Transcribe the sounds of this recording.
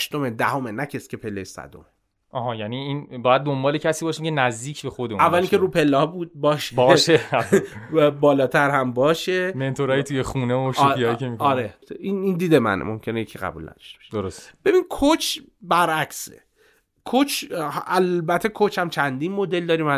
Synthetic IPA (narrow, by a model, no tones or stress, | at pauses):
ʃt̪o̞med̪æho̞menæcʰesi̥cʰe̞pʰelːejsæ̰d̪o̰me | ʔɒːɦɒjæniːiːnbɒːjæd̪̚ːombɒːlecʰæsiːbɒːʃiːmcenæzd̪iːcʰbexod̪euævːæliŋcʰeɾuːpʰelːɒːbuːd̪̚bɒːʃeɒːʃe | bɒːlɒːt̪ʰæɾhæmbɒːʃeme̞nt̪ʰoɾɒːjit̪ʰujexuːneoʃiːjikemikɒɾeinind̪iːd̪e̞mæ̰nḛmo̞mcʰe̞nejecʰiɣæ̰bṵlnæ̰d̪̥ɒ̥ʃt̪e̥be̥ʃe̥d̪oɾosst̪b̥e̞binkʰot͡ʃʰbæɾʔæksḛ | kʰot͡ʃʰʔælbæt̪ʰːekʰot͡ʃʰhæmt͡ʃʰænd̪inmo̞d̪eld̪ɒːɾiːmæ